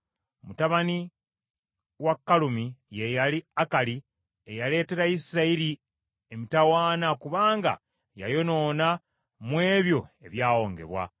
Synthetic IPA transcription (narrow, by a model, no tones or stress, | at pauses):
mutaβani | wakːalumije̞jaliakali | ejale̞ːte̞ɾaisiɾaiɾi | emitawaːnakuβaːŋɡa̰ | ja̰jo̞no̞ːna | mwe̞ːβjo̞e̞βjaːwo̞ːŋɡe̞̰βwa̰